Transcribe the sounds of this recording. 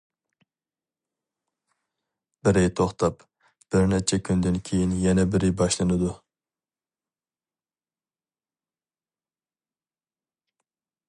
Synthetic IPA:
b̥ɪɾɪjt̪ʰoχt̪ɑp | b̥ɪɾnɛt͡ʃʰɛkʲʰynd̪ɪnkʲʰejinjɛnɛbɪɾɪbɑʃlˠɨnɨd̪u

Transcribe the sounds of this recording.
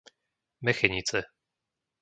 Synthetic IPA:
mɛxɛɲit͡sɛ

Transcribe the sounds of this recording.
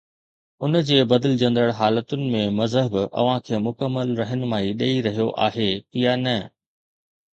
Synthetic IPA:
ʊnd͡ʑeːbɐd̪ɪlɪd͡ʑɐ̃nd̪əɽɦaːlət̪ʊnɪ̆mẽmɐzɦəbɐ̰ʋ̤ãkʰeːmʊkəmːəlɾɐɦənɪ̆maːiɗeːiɾɐɦijoʔa̰ːɦeːɪjanɐ

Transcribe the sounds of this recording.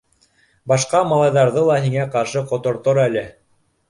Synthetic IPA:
bɑʃqɑmɑlˠɑjðɑɾðɤlˠɑɦiŋæqɑɾʃɤqŏt̪ŏɾt̪oɾælɘ

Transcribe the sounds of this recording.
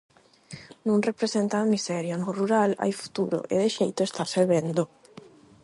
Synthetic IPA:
nunrepɾezent̪amisɛɾjonoruɾala̰jfu̥t̪uɾo̰ʔḛd̪eʃejt̪oest̪aseβɛnd̪o

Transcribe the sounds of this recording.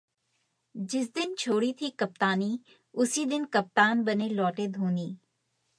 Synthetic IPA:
d͡ʒɪs̬d̪ɪnt͡ʃʰoːɽit̪ʰikɐp̚t̪aːni | ʊsid̪ɪnkɐp̚t̪aːnbɐnelɔːʈeːd̪ʱũːniː

